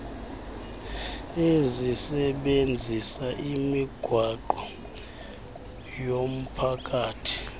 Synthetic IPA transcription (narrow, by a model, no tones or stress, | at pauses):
ezisɛɓend͡zʱisaʔimiɡ̥ʱwaǃɔ | jom̩pʰakʼaːtʰi̥